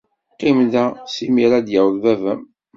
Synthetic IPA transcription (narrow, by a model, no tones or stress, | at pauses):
qːimðæsimiɾad̪jæwðvævæm